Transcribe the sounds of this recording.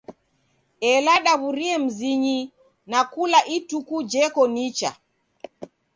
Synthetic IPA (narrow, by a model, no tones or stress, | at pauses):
ɛlaɗaβuɾiɛm̩ziɲi | nakulaʔitukud͡ʒɛkɔnit͡ʃa̰